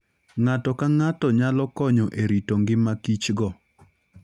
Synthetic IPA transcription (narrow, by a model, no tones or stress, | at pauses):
ŋatɔkaŋatɔɲalɔkɔɲɔʔeɾitoŋɡɪmakit͡ʃɡɔ